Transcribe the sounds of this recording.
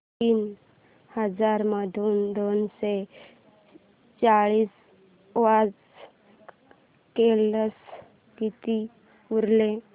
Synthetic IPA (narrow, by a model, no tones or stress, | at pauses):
iːn | həd͡zaɾməd̪ʱuːnd̪onse | t͡saɭiːs | ʋad͡z | keləs | kit̪i | uɾle